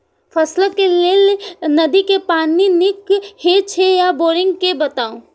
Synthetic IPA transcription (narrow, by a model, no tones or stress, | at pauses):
pʰəsləkeleːlnəd̪ikepaːninɪkhet͡ʃʰejaboːɾɪ̃ŋɡkebət̪aːũ